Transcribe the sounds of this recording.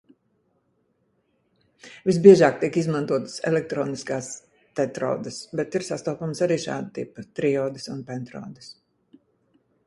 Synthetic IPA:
visbiɛʒaːkt̪iɛkizmant̪uɔt̪ə̥sɛ̰lɛk̚t̪ɾɔːniskaːs | t̪ɛt̪ɾɔ̰ːd̪əsbɛt̪iɾsast̪ɔːpamsaɾiːʃa̰ːd̪ət̪ḭpət̪ɾiɔːd̪ɨsunpɛnt̪ɾɔ̰ːd̪ɨs

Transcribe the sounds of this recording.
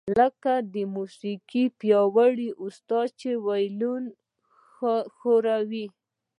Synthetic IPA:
ləkad̪əmusikipjɑwaɽiʔust̪ɑt͡ʃewajlun | xoɾawi

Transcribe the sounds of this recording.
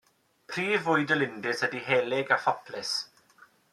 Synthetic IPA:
pʰriːvʊɨdəlˠɪndɪshədiɦɛːlɪɡafɔpʰlɪs

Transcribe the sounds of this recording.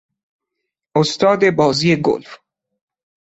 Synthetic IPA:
ʔost̪ʰɒːd̪e̞bɒːziːeɡo̰lf

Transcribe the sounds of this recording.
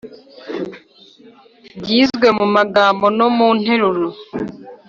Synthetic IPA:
ɟiːzɡwemumaɡaːmbo̞no̞mun̥heɾuɾo

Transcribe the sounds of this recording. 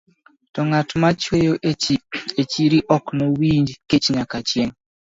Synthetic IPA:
tɔŋatmat͡ʃwejoʔet͡ʃiet͡ʃiɾiʔɔknowiɲd͡ʒket͡ʃɲakat͡ʃjeŋ

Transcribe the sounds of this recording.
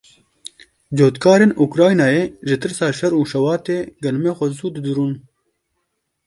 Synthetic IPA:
d͡ʑoːt̪kaːɾenukɾaːjnaːeʒɪt̪ɨɾsaːʃɐɾuːʃɐwaːt̪eɡɐlmexozuːd̪d̪uɾuːn

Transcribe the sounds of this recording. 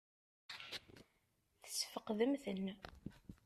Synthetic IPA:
θə̥sfəqðəmθən

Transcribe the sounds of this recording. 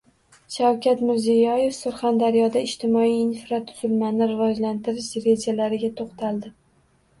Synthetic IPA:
ʃawkʲat̪mɪɾzijɒje̞fsʊɾχand̪aɾjɒd̪aɪʃt̪ʰɪmɒiːnfɾat̪ʰːʊ̥z̥ɪlmanɪɾɪvɒd͡ʒlant̪ɪɾɪʃɾe̞d͡ʒalaɾɪɡʲat̪ʰoqt̪ʰalˠd̪ɪ

